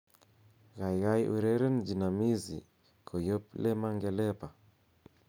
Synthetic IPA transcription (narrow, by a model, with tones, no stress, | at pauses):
ɣa˨jɣa˦jʔṵ˨ɾe˦ɾɛ˦nd͡ʒi˨na˨mi˦zḭ˨ | kʰo˨jo˦ple˦ma˦ŋɡɛ˨lɛ˦pa˨